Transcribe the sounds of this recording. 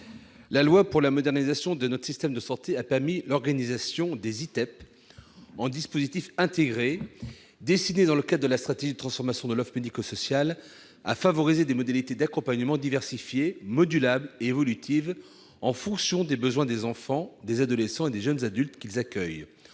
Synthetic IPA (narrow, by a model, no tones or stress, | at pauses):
lalwapuʁlamɔd̪ɛʁnizasjɔ̃d̪ənɔt̪χsist̪ɛmd̪əsɑ̃t̪eapɛʁmilɔʁɡanizasjɔ̃d̪ezit̪ɛp | ɑ̃d̪ispozit̪ifɛ̃t̪eɡʁe | d̪esined̪ɑ̃ləkad̪ʁd̪əlast̪χat̪eʒid̪ət̪χɑ̃sfɔʁmasjɔ̃d̪əlɔfʁpyd̪ikosɔsjal | a̰favɔʁized̪emɔd̪alit̪ed̪akɔ̃paɲəmɑ̃d̪ivɛʁsifjemɔd̪ylableːvɔlyt̪ʰiv | ɑ̃fɔ̃ksjɔ̃d̪ebəzwɛ̃d̪ezɑ̃fɑ̃d̪ezad̪ɔlesɑ̃ed̪eʒənzad̪ylt̪kʲilzakʲœj